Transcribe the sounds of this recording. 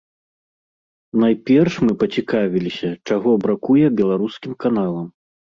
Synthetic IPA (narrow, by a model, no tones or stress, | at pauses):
najpʲɛrʂmɨpɐt͡sʲikavʲilʲisʲɐt͡ʂaɣɔbɾakujɛbʲɛlˠaɾuskʲimkanalˠɐm